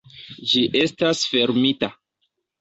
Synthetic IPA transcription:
d͡ʒiʔe̞stasfe̞ɾmita

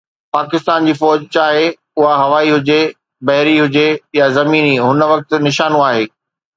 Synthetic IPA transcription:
paːkɪst̪aːnd͡ʑiːfɔːd͡ʑt͡ɕaːɦe | ʊɦaɦɐʋaːiɦʊd͡ʑe | bɐɦɪɾiɦʊd͡ʑejazɐmiːniɦʊnəʋɐk̚t̪̆nɪʃaːnũaːɦeː

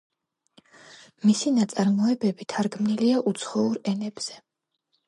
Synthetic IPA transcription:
misinat̪sʼaɾmɔɛbɛbit̪ʰaɾɡmniliaʔut̪sʰχɔuɾɛnɛb̥z̥ɛ

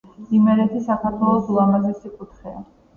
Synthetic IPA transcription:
imɛɾɛt̪ʰisakʰaɾt̪ʰwɛlˠɔsuamazɛsikʼut̪ʰχɛa̰

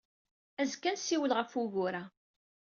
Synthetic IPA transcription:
æzkːænsiwəlʁəfuɣʊɾa

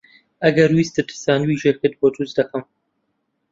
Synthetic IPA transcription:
ɐɡɐɾwist̪ɨt̪ʰɨ̥saːnwiʒeːkɨd̪̚bod̪uzd̪ɐkɨm

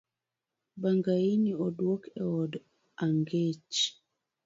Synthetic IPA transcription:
baŋɡainiɔdwɔkɛɔd | aŋɡet͡ʃ

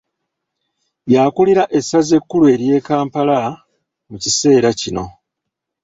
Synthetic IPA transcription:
jakuliɾaʔe̞sːaze̞kːulue̞ːɾje̞ːkaːmpala | mucise̞ːɾacino̞̰

